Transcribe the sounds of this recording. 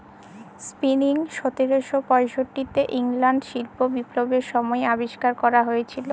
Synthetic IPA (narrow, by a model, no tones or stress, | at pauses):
spiniŋʃot̪iɾoʃopɔeʃoʈːit̪eʔiŋlaɳɖʃilpobipɾobeʃɔmɔeabiʃkaɾkɔɾaɦojet͡ɕʰilo